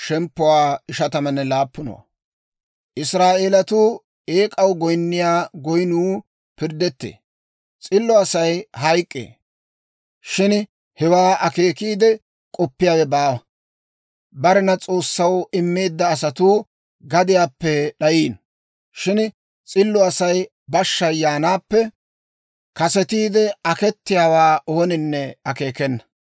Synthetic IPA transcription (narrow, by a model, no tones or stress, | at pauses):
ʃɛmpːʊwaːɪʃɐt̪ɐmɐnːɛlaːpːʊnɔ̰wɐ̰ | ʔɪsɾaːʔeːlɐt̪uː | eːkʼɐwɡɔjnːɪjaːɡɔjnuː | pɪɾd̪ɛt̪ːḛː | t͡sʼɪlːɔɐsɐjhɐjkʼːḛː | ʃɪn | hɛwaːʔɐke̞ːkiːd̪ɛ | kʼɔpːɪjaːwɛbaː | bɐɾɛnɐt͡sʼo̞ːsːɐwɪmːeːd̪ːɐːsɐt̪uː | ɡɐd̪ɪjaːpːɛɗɐjiːn | ʃɪn | t͡sʼɪlːɔɐsɐj | bɐʃːɐjːaːnaːpːɛ | kɐsɛt̪iːd̪ɛɐkɛt̪ːɪjaːwaːʔo̞ːnɪnːɛɐke̞ːkɛnːɐ̥